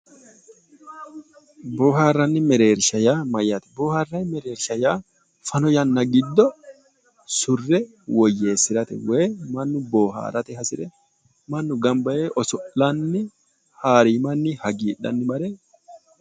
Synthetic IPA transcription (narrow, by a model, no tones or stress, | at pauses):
boːɦaːrːɐnːɪmɛɾeːɾʃɐjaːmɐjɐt̪ɪ̥boːhaːrːɐnmɛɾeːɾʃɐjaː | fɐnɔjɐnːɐɡɪd̪ːɔ | sʊrːɛ | wɔjːe̞ːsɪɾɐt̪ɛ̰we̞ːmɐnːʊboːɦa̰ːɾɐt̪ɛhɐsɪᶑɛ | mɐnːʊɡɐmbɐʔe̞ːʔɔsɔʔɐnːɪ | haːɾiːmɐnːɪhɐɡiːᶑɐ̰nːɪmɐɾeː